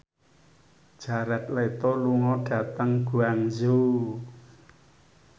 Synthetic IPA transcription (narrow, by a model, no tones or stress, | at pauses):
d̥ʒ̥a̤ɾat̪̚let̪ɔluŋɔɖ̥a̤t̪əŋɡ̥ṳaŋzu